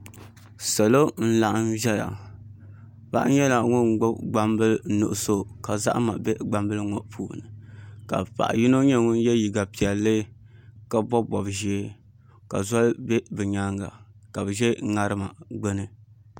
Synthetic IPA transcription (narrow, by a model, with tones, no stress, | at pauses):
sa˨lo˦n̩˦la˨ʔa˨m˦vɛ˦ja̰˨ | ba̰˦ʔɲɛ˦la˨ŋu˦ŋ͡mɡ͡bʊ˦bɡ͡ba˦mbɨ˦lnṵ˨ʔʊ˦so˦ka˨za̰˦ʔma̰˨bɛ˦ɡ͡ba˦mbɨ˦lŋo˨ʔpʰṵː˨nɨ˨ka̰˨pa̰˨ʔa̰˨ji˦no˦ɲɛ˦ŋu˦n˦jɛ˦ji˨ɡa˨pi˨ɛ˨lːɨ˦ | ka˨bɔ˦bɔ˨bʒe˦ | ka̰˨zɔ˦lbɛ˦bɨ˨ɲa˦ŋɡa̰˨ka˨bɨ˨ʒɛ˦ŋa˦ɾɨ˦ma˨ɡ͡bɛ˦nɨ˦